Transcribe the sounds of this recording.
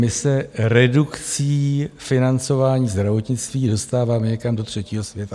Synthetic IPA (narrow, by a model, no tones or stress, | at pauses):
mɪsɛɾɛdukt͡siːfɪnant͡so̞vaːɲiːzd̪ɾavo̞t̪ɲɪt͡st̪viːdo̞st̪aːvaːmɛɲɛkamdo̞t̪r̝̥ɛciːɦo̞svjɛt̪a